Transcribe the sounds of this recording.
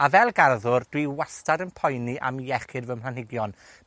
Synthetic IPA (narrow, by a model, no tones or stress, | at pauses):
avɛlˠɡarðʊrd̥wiwastadənpʰɔjniʔa̰mjɛχɪdvəmpl̥ˠanɪɡjɔn